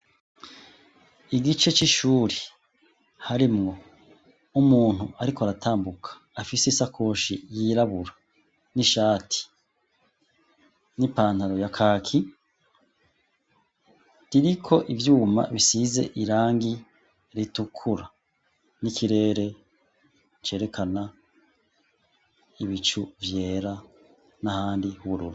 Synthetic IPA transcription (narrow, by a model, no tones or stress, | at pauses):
iɡit͡ʃe̞t͡ʃiʃuːɾe | haɾimŋo̞ | umuːn̥huʔaɾikoaɾatʰaːmbukʰḁːfiseisakʰoːʃḭjiɾaβuɾa | niʃaːtʰi̥ | nipaːn̥haɾo̞jakʰaːkʰi | ɾiɾikʰo̞ʔivjuːma̰βisize̞̰ʔiɾaːŋɡi | ɾitukʰuɾa | nikʰiɾe̞ːɾe̞ | t͡ʃe̞ːɾe̞kʰana | iβit͡ʃuvje̞ːɾa | nahaːndihuβuɾuɾu